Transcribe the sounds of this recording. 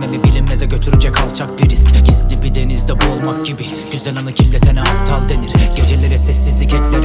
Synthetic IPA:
memibilʲimːezɛɟø̞t̪ʰyɾyd͡ʒɛcʰalˠt͡ʃʰakbiɾiscɟizlʲibid̪e̞nizd̪ɛbuolˠmak̚ɟibi | ɟ̥yzlɛnanacʰilʲːɛt̪ʰɛnɛaft̪ʰalˠd̪e̞niɾɟ̥e̞d͡ʒelʲeɾɛsɛsːizlʲicɛclʲeɾ

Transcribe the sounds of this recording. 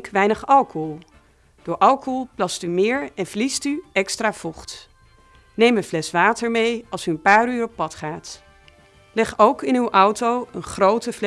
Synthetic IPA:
kʋɛjnəχɑlˠkɔɦɔlˠ | d̥ʊːɹʔɑlˠkɔɦɔlˠplɑstymɪːɹɛnvlistyɛkstraːv̥ɔχt | nejmənvlɛsʋaːtəɹmejɑlˠsyənpaːryːrɔpːɑtχaːt | lɛχowkɪnywʔɔwtowənχrowtəvl

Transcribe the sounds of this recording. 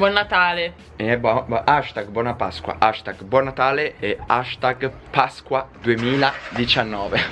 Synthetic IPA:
bwɔnːat̪aːle | ɛbaʃt̪aɡ̚bwɔnapa̰skwa̰ʔaʃt̪aɡbwɔnːat̪aːleɛaʃt̪aɡpaskwad̪uemiːlad̪it͡ʃanːɔːve

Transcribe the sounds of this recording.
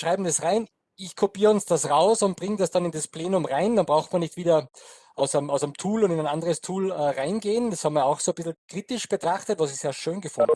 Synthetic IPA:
ʃʁaɪbm̩dasʁaɪn | ɪçkʰopiːʁəʊnsd̥asʁaʊsʊnt̚b̥ʁɪŋdasd̥anɪndaspʰleːnʊmʁaɪnd̥anbʁaʊxtmiɐnɪçtv̥iːdɐ | ʔaʊsamaʊsamtʰuːlʊndɪnaɪnʔandəʁəstʰuːlɛːʁaɪnɡeːənd̥ashɑːbm̩vijɐaʊxsoːbɪsl̩kʁ̥iːtɪʃb̥ətʁ̥aχtətvasɪçseːɐʃøːnɡəfʊnd

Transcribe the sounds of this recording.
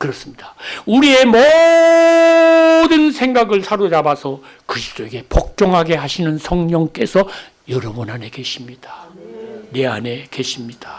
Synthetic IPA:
kɯɾʌs͈ɯmɲidauɾie̞mʌ | dɯnsʰe̞ŋɡaɡɯɭsʰaɾod͡ʑabasʰʌ | kɯɾisʰt͈ʰoe̞ɡe̞pʌk̚t͡ɕ͈ʌŋɦaɡe̞ɦhaɕʰinɯnsʰʌŋɲʌŋk͈e̞sʰʌ | jʌɾʌbʌnɦane̞ke̞ɕʰimɲid̥a | ne̞ane̞ke̞ɕʰimɲid̥a

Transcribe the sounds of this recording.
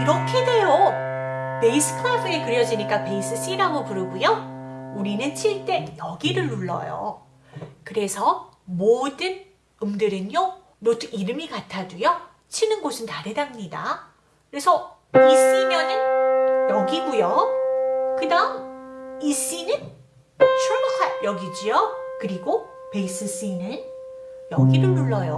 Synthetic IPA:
iɾʌkʰede̞jo | pe̞is͈ʰɯ̥kʰapʰɯe̞kɯɾjʌd͡ʑiɲik͈ape̞is͈ʰɯs͈iɾaɡopuɾɯɡujouɾinɯnt͡ɕʰiɭt͈e̞jʌɡiɾɯɭːuɭːʌ̰jo̰ | kɯɾe̞sʰʌ | modɯn | ɯmdɯɾɯnjo | notʰɯiɾɯmikatʰadujo | t͡ɕʰinɯnɡosʰɯntaɾedamɲida̰ | kɯɾe̞sʰʌ | is͈imjʌnɯnjʌɡiɡujʌ | kɯdaɯmis͈inɯn | t͡ɕʰomkʰajʌɡid͡ʑijokɯɾiɡopeis͈ɯs͈inɯnjʌɡiɾɯɭːuɭːʌjo

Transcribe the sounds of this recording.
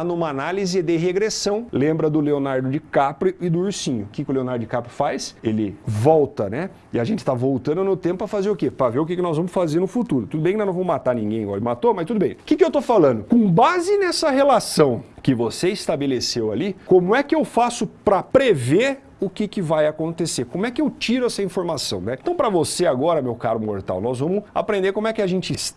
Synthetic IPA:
anũmɐanalizɪd̪ɪɦeɡɾesɐ̃w̃lẽmbɾɐd̪ʊleonaɾd̪ʊd͡ʒɪkapɾɪɪd̪ʊuɾsĩɲʊkɪkɪʊleonaɾd̪ʊd͡ʒɪkapɾɪfajselɪvɔwt̪ɐnɛ | ɪaʒẽnt͡ʃɪ̥t̪avowt̪ɐ̃nd̪ʊnʊt̪ẽmpʊɐfazeɾʊkepɾɐveɾʊk̬ɪkɪnɔzvɐ̃mʊsfazeɾnʊfut̪uɾʊt̪ud̪ʊbẽkɪnɐ̃vɐ̃mmat̪aɾnĩŋɡẽj̃ɔ̰lmat̪omɐst̪ud̪ʊbẽj̃kɪkɪewt̪ofalɐ̃nd̪ʊkõbazɪnɛsɐɦelasɐ̃w̃kɪvoseɪst̪abelesewa̰likõmʊɛkɪewfasʊpɾɐpɾeveɾ | ʊkɪkɪvajakõnt̪eseɾkõmʊɛkɪewt͡ʃiɾʊɛsɐĩfoɾmasɐ̃w̃nɛẽt̪ɐ̃w̃pɾɐvoseaɡɔɾɐmewkaɾʊmoɾt̪a̰wnɔzvɐ̃mʊa̰pɾẽnd̪eɾkõmʊɛkɪaʒẽnt͡ʃɪɪs

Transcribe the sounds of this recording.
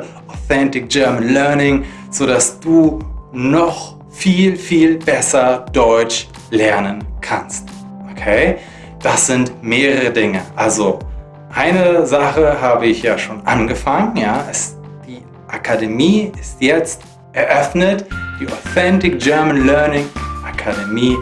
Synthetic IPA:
ʔoθɛntɪk̚d͡ʒ̥ɜɐmənlœɐnɪŋ | z̥oːdasd̥uːnɔχ | fiːlfiːlbɛsɐd̥ɔʏt͡ʃ | lɛɐnənkʰanst | ʔokʰeː | d̥asz̥ɪntmeːʁəʁədɪŋəʔalzo | ʔaɪnəzaχəɦaːbəɪçjaːʃoːnʔa̰nɡəfaŋənjaːʔɛs | d̥iː | ʔakʰademiːɪstjɛt͡st | ʔɛɐʔœfnətd̥iːʔoθɛntɪk̚ʒ̥ɜɐmənlɜɐnɪŋʔakʰademiː

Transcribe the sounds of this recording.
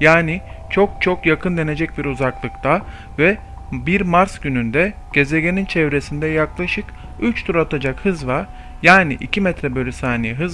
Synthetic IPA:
jaːnit͡ʃʰo̞k̚t͡ʃʰo̞kjakʰɯnd̪e̞ne̞d͡ʒɛc̚biɾuzaklˠɯkt̪ʰa | vɛ | biɾmaɾsɟ̥ynynd̪ɛɟ̥e̞zeɟe̞nint͡ʃʰɛvɾe̞sind̪ɛjaklˠaʃɯk | yt͡ʃt̪ʰuɾat̪ʰad͡ʒakhɯzvaɾ | jaːniʔḭcʰimɛt̪ɾɛbø̞lʲysaːnijɛɦɯz

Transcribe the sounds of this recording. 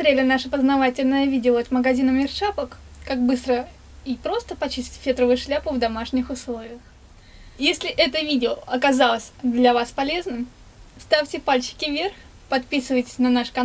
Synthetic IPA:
st̪ɾʲelʲɪnaʂəpəznɐvatʲɪlʲnəjəvʲidʲɪoət̪məɡɐzʲinəmʲɪrʂapəkkaɡ̚bɨst̪ɾə | ipɾo̞st̪əpɐt͡ɕisʲtʲfʲet̪ɾəvʊjʊʂlʲapʊvd̪ɐmaʂnʲɪxʊslˠo̞vʲɪjəx | jesʲlʲɪʔɛt̪əvʲidʲɪoɐkɐzalˠəsʲd̪lʲɐvaspɐlʲeznɨm | st̪afʲtʲɪpalʲt͡ɕɪ̥kʲɪvʲe̞rx | pɐt̪̚pʲisɨvəjtʲɪ̥sʲnɐnaʂkɐ

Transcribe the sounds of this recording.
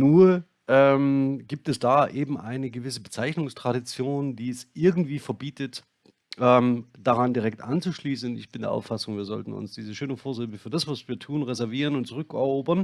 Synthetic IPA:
nuːɐ | ʔɛːmɡ̥iːp̚tɛsd̥aːʔeːbm̩ʔaɪnəɡəvɪsəbət͡saɪçnʊŋstʁ̥aɾit͡sjoːndiːɛsʔɪɐɡŋ̩tv̥iːfɛɐbiːtət | ʔɛːmd̥aʁandiʁɛk̚tʔant͡suʃliːsn̩ntɪ̰çb̥ɪndeɐʔa̰ʊfasʊŋviːɐzɔ̰ltn̩ʊ̰nsd̥iːzəʃøːnəfoːɐzɪbəfyːɐdasv̥asv̥iːɐtʰuːnʁɛzɛɐviːʁənʊntt͡sʊʁʏkɛɐoːbɐn

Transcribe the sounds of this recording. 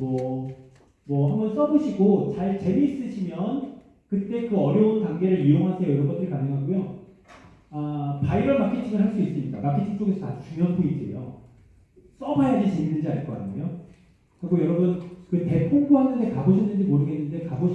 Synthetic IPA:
mwʌ | mwʌhambʌns͈ʌboɕʰiɡot͡ɕaɭt͡ɕe̞miːs͈ɯɕʰimjʌn | kɯt͈e̞kɯʌɾjʌunkaŋɡe̞ɾɯɭiɾoŋɦasʰejʌɾʌɡʌnd͈ɯɭkanːɯŋɦaɡojo | apaiɾʌɭmakʰetʰiŋɯɭɦaɭs͈uis͈ɯmɲida̰makʰe̞tʰiŋt͡ɕ͈oɡesʰʌtad͡ʑu̥t͡ɕumjʌŋpʰoid͡ʑiḛjo̰ | s͈ʌbajad͡ʑit͡ɕeminːɯnd͡ʑiaɭk͈ʌk͈a̰ɲʰḛjo | kɯɾiɡojʌɾʌbɯnkɯte̞pʰuŋdoɦanɯnde̞kaboɕʰinːɯnd͡ʑimoɾɯɡenːɯnde̞kabo

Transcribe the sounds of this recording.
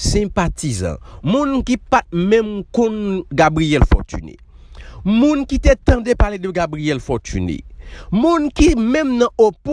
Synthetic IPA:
sɛ̃pat̪izʌ̰̃mũnkipat̪̚mɛ̃mkõnɡabʁijɛlfɔ̰t̪y̰nḛ | mũnkit̪et̪ɐ̃depaledøɡabʁijɛlfɔt̪y̰nḛmũnkimɛ̃mnɐ̃op

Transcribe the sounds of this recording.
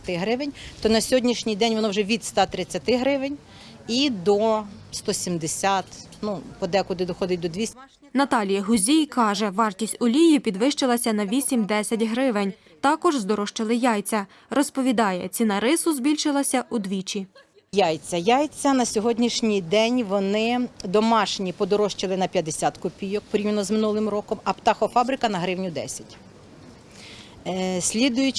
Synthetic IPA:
t̪ɪɦɾɪʋɪnʲt̪ɔnɐsʲɔɦɔdʲnʲiʃnʲijd̪ɛnʲʋɔnɔwʒɛʋʲid̪st̪ɑt̪ɾɪt͡sʲːɐt̪ɪɦɾɪʋɪnʲ | id̪ɔst̪ɔsʲimd̪esʲat̪ | nupɔd̪ɛkʊd̪ɪd̪ɔxɔd̪ɪt̚ʲd̪ɔd̪ʲʋʲisʲ | nɐt̪ɑlʲijɐɦʊzʲijkɑʒɛʋɑrtʲisʲtʲʊlʲijipʲid̪ʋɪʃt͡ʃelˠɐsʲɐnɐʋʲisʲimd̪ɛsʲɐtʲɦɾɪʋɪnʲ | t̪ɑkɔʒzd̪ɔɾɔʃt͡ʃɪlˠɪjɑjt͡sʲɐ | rɔspɔʋʲid̪ɑjɛ̰t͡sʲinɐɾɪsʊzbʲilʲʃɪlˠɐsʲɐʔud̪ʋʲit͡ʃʲi | jajt͡sʲɐjajt͡sʲɐnɐsʲɔɦɔdʲnʲiʃnʲijd̪ɛnʲʋɔnɪd̪ɔmɑʃnʲipɔd̪ɔɾɔʃt͡ʃɪlˠɪnɐpʲjɐd̪esʲat̪kɔpʲijɔk̚pɔɾʲiwʲenɔzmɪnulˠɪmɾɔkɔmɐpt̪ɑxɔfɑbɾɪkɐnɐɦɾɪwnʲʊd̪ɛ̰sʲɐ̥tʲ | sʲlʲid̪ʊjʊ

